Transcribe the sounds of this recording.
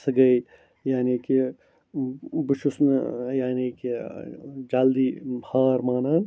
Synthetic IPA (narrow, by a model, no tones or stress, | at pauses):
sɐɡɐj | jaːniːki | buʃusnjaːniːki | d͡ʒald̪iːhaːɾmaːnaːn